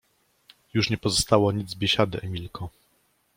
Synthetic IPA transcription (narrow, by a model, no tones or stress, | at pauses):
juʂɲɛpɔzɔst̪awɔɲid̪zbʲjeɕad̪ɘʔɛmʲilkʰɔ